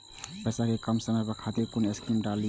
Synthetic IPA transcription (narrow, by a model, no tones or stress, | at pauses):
pɛːsakekəmsəmɛpɐkʰaːt̪iɾkʊneskiːmɖaːli